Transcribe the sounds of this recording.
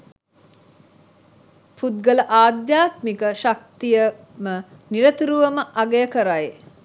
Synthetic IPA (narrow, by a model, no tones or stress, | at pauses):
pud̪̚ɡələʔaːd̪jaːt̪mikəʃak̚t̪ijə | mə | niɾət̪uɾuʋɐməʔaɡejəkəɾaj